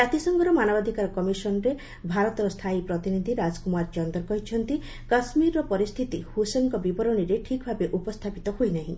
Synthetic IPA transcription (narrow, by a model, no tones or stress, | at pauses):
d͡ʒat̪isɔŋɡɔɾɔmanɔbad̪ʱikaɾɔkɔmisɔnɾe | bʱaɾɔt̪ɔɾɔst̪ʰaipɾɔt̪inid̪ʱiɾad͡ʒkumaɾt͡ʃɔnd̪ɔɾkɔɦit͡ʃʰɔnt̪i | kasmiɾːɔpɔɾist̪ʰit̪ihusenkɔbibɔɾɔniɾeʈʰikbʱabeʔupɔst̪ʰapit̪ɔhojnaɦĩ